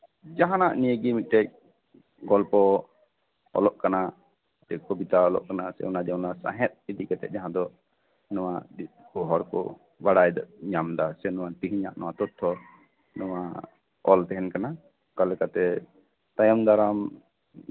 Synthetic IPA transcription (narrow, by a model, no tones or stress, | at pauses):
d͡ʒaɦãnaʔnijəɡimit̪̚t̪ɛc̚ | ɡɔlpɔ | ɔ̰lɔʔkana | t̪ɛkɔbit̪aɔlɔ̰ʔkanasɛ̰unad͡ʒɛwnasã̰ɦɛt̪̚id̪ikɛt̪ɛ̰ʔ̚ˀd͡ʒaɦãd̪ɔ | nɔwa̰d̪it̪kɔɦɔɾkɔ̰ | baɽajd̪ɲamd̪asɛnɔwat̪iɦiɲa̰ʔnɔwat̪ɔt̪ʰːɔ | nɔwa | ɔlt̪ɛɦɛnkana | kalɛkat̪ɛ | t̪ajɔmd̪aɾam